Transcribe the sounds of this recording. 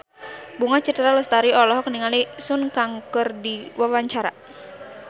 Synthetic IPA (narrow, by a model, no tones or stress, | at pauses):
buŋat͡ʃət̪ɾaləst̪aɾiɔlɔɦɔkniŋalisʊnkaŋkɨrdiwawaɲt͡ʃaɾa̰